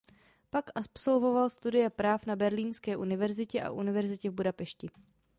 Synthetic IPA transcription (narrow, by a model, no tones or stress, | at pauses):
pakʔapso̞lvo̞valst̪udɪjɛpɾaːfnabɛɾliːnskɛːʔunɪvɛɾzɪcɛʔa̰ʔunɪvɛɾzɪcɛvbudapɛʃcɪ